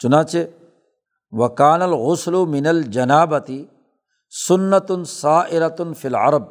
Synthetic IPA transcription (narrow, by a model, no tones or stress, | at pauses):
t͡ʃʊnaːt͡ʃeː | wɐkaːnɐlɣʊslʊmɪnɐld͡ʒɐnaːbɐt̪i | sʊnːɐt̪saːʔɪɾat̪filʕɑ̰ɾˤɑb̚